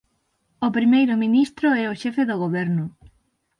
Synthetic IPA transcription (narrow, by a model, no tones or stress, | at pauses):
opɾimejɾʊminist̪ɾʊɛoʃɛfeðoɣoβɛɾnʊ